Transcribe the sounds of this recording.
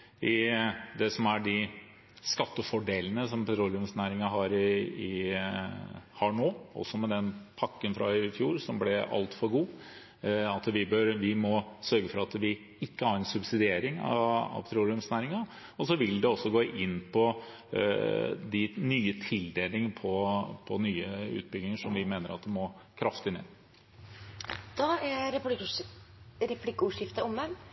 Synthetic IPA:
ɪd̪ɛsɔmæɖɪ | skɑt̪ːəfɔɖeːlənəsɔmpʰɛt̪ʰɾuːlɪʉmsnæːɾɪŋɑɦɑːɾɪɪ | hɑɳoːʔɔ̰sːɔmɛd̪ɛnpʰɑkːənfɾɑ̰ɪfjuːɾsɔmblɛɑ̰lt̪fɔɾɡuː | ɑt̪ʋɪbœɾʋɪmɔsœɾɡəfɔɾɑt̪ʋɪ | ɪkːəhɑɾɛnsʉbsɪd̪ɪeːɾɪŋɑ̰ɑ̰ʋt̪ʰɾuːɾɪʉmsnæːɾɪŋɑ | ɔsɔʋɪld̪ɛɔsːɔɡoːʔɪnːpʰɔ | d̪ɪnyːət̪ʰɪld̪eːlɪŋəpʰɔpʰɔnyːəʉ̰ːt̪̚bɪɡlɪŋəʂɔmʋɪmeːnəɾɑt̪̚d̪ɛmɔkʰɾɑft̪ɪnḛː | d̪̥ɑæ | ɾɛpʰlɪkːəuːʂɪft̪əʊmən

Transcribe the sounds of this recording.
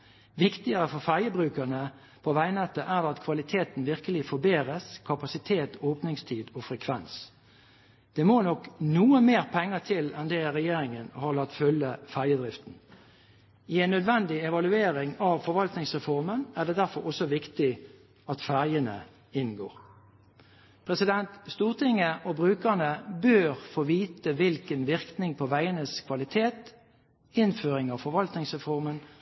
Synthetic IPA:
ʋɪkt̪ɪəɾəfɔɾfæɾjəbʁʉːkəʁnə | pʰɔʋæɪnɛt̪ːəʔæd̪ɛɑt̪kʰʋɑlɪt̪ʰeːt̪n̩ʋɪʁkəlɪfɔɾbeːɾəskʰɑpɑsɪt̪ʰeːt̪oːpnɪŋst̪ʰiːd̪ɔfɾɛkʰʋɛns | d̪̥ɛmoːnɔknuːəmeːɾpʰɛŋːət̪ʰɪlɛnd̪ɛɾɛjeːɾɪŋənhɑlɑt̪ːfœlːəfæʁjəd̪ɾɪft̪n̩ | ɪɛɪnːœd̪ʋɛnd̪ɪɛʋɑlʉeːɾɪŋɑʋfɔɾʋɑlt̪nɪŋsʁɛfɔʁmənæːʁd̪ɛːd̪æʁfɔɾɔsɔʋɪkt̪ɪ | ɑt̪fæʁjənə̰ | ɪnɡo̰ːʁ | pʰʁɛsɪd̪ɛnt̪st̪uːʁt̪ʰɪŋəʔobʁʉːkəʁnəbøːʁfoːʋiːt̪əʋɪlkənʋɪʁknɪŋpʰɔʋæɪənəskʰʋɑlɪt̪ʰeːt̪ | ɪnføːʁɪŋɑʋfɔʋɑlt̪nɪŋsʁɛfɔʁmən

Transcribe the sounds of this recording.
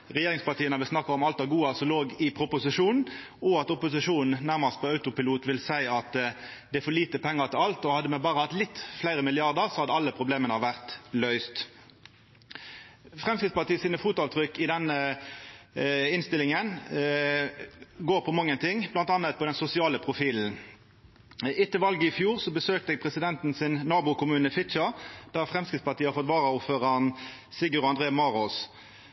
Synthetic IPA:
ʁɛjeːʁɪŋspɑʁt̪ʰiːənəʋɪlsnɑkːɑɔmɑlt̪ɑɡuːɑsɔloːɡɪpʰʁʊpʊsɪʂuːnn̩ | ɔɑt̪ɔpʊsɪʂuːnn̩næʁmɑst̪̚pɔɑʉt̪ʊpɪluːt̪ʋɪlsæɪɑt̪ | d̪ɛæfɔliːt̪əpʰɛŋːɑʁt̪ʰɪlɑlt̪ɔhɑd̪ːəmɛbɑːʁəhɑt̪lɪt̪ːflæɪʁəmɪlɪɑʁd̪əʁsɔhɑd̪ːəɑlːəpʰʁʊbleːmənɑʋæʁt̪lœʏst̪ | fʁɛmskɪt̪spɑt̪iːəsiːnəfuːt̪ɑːʋt̪ʰʁʏkːɪd̪ɛnːə | ɪnst̪ɪlɪŋən | ɡoːʁpʰɔmɑŋːənt̪ʰɪŋblɑnt̪ɑnːət̪̚pʰɔd̪ɛnsʊsɪɑːləpʰʁʊfiːln̩ | ɪt̪ːəʋɑlɡəɪfjuːʁsɔbəsøːk̚t̪əɛɡ̚pʰʁɛsɪd̪ɛnt̪n̩sɪnːɑːbʊkʊmʉːnəfɪt̪t͡ʃɑd̪̥æʁfʁɛmskɪt̪spɑʁt̪iːəhɑɾfɔt̪ʋɑːʁəʊføːʁnsɪɡəʁɔɑnd̪ʁeːmɑːʁɔs

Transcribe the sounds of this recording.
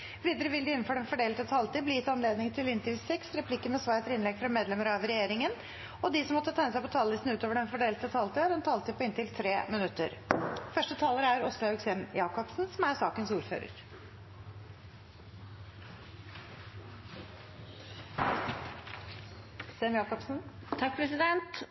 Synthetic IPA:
ʋiːd̪əɾəʋɪld̪əɪnːn̩fɔɖɛnfɔɖeːlət̪ət̪ʰɑːlt̪ɪːblɪjɪt̪ːɑnleːd̪nɪŋt̪ʰɪlɪnt̪əɾʋsɛksɾɛpʰlɪkːəmɛsʋɑːɾt̪ɾɪnlɛɡfɾɑmeːd̪lɛməɾɑʋɾɛjeːɾɪŋən | ɔd̪ɪsɔmɔt̪ːət̪ʰɛnəs̬æɪpɔt̪ʰɑːlːɪsn̩ʉːt̪oːʋəɖɛnfɔɖeːlt̪ət̪ʰɑːlt̪ɪɑɖ̪ɛnt̪ʰɑːlt̪ɪpʰɔɪnt̪ɪlt̪ʰɾeːmɪnʉt̪ːə̰ɾfœʂʈət̪ʰɑːləɾæɾɔslɑʉksɛmjɑːkɔpsn̩sɔmæɾsɑːkənsuːɾfø̰ːɾə̰ɾ | sɛmjɑːkɔpsn̩ | t̪ʰɑk̚pʰɾɛsɪd̪ɛnt̪

